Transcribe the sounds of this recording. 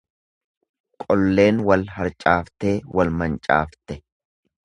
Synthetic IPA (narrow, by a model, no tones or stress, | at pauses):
kʼɔlːe̞ːnwɐlhɐɾt͡ʃʼaːft̪e̞ːwɐlmɐnt͡ʃʼa̰ːft̪ɛ